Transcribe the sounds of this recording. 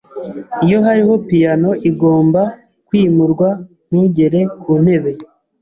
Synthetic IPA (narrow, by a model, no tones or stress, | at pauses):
ijo̞ɦaɾiho̞pijano̞ʔiɡo̞ːmba | kwiːmuɾɡwa | nuːɲɟe̞ɾe̞kuːne̞βe̞